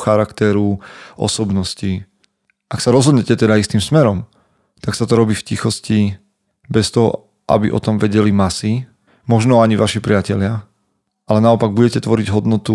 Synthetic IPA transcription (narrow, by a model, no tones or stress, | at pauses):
xaɾakt̪ɛɾuʔɔ̰sɔbnɔsci | ʔaksaɾɔzɦɔd̪ɲɛcɛt̪ɛd̪aist̪imsmɛɾɔm | t̪aksat̪ɔɾɔbiːfcixɔsci | bɛst̪ɔɦɔ̰ | ʔa̰biʔɔ̰t̪ɔmʋɛɟɛlimasi | mɔʒnɔaɲiʋaʃipɾɪacɛlɪa | ʔalɛnaɔpaɡ̚buɟɛcɛt̪ʋɔɾiɟɦɔd̪nɔt̪u